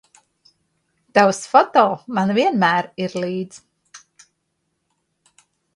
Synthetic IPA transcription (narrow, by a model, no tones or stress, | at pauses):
t̪awsfɔt̪ɔlˠmanviɛnmæːɾiɾlˠiːd̪z̥